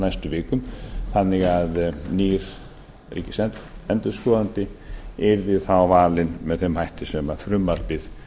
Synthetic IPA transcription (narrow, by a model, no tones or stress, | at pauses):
najst̪ʏvɪːkʏmθanːɪɣaðniːɾ̥ | ɾḭcɪsɛnt̪ɛnt̪ʏɾskɔːðant̪ɪɛɾθɪθawvaːlɪnmɛðθfɛmhajht̪ɪsɛmafɾʏmːalpɪð